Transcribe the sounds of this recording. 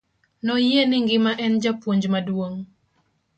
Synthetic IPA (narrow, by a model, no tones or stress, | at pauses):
nɔjenɪŋɡɪmaʔɛnd͡ʒapwoɲd͡ʒmadwoŋ